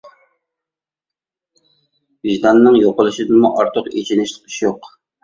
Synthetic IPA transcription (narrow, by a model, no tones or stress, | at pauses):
viʒd̪ɑnːɨŋjoqəlˠɨʃɪd̪ɨmuʔɑɾt̪ʰʊqḛt͡ʃʰinɪʃt̪ʰə̥qʰɪ̥ʃjoq